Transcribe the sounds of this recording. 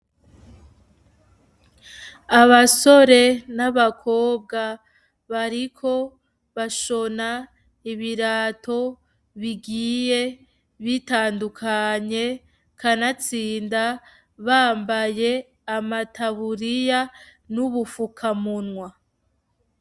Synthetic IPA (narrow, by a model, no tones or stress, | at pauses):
aβaso̞ɾe̞naβakʰo̞ːb̚ɡa | βaɾikʰo̞ | βaʃo̞na | iβiɾaːtʰo̞ | βiɡiːje̞ | βitaːndukʰaɲe̞ | kʰanat͡siːnda | βaːmbaje̞ | amatʰaβuɾijanuβufukʰamunŋwa